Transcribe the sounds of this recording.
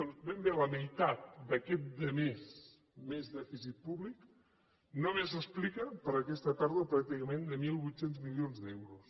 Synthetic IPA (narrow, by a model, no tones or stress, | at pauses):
onbɛmbeləməjt̪at̪̚d̪əkɛt̪̚d̪əmes | mezðɛfisit̪̚puβlik | nomezəsplikəpəɾəkɛst̪ət̪aɾðəpɾak̚t̪ikəmẽnd̪əmilˠβujt̪senzmilionzðɛwɾus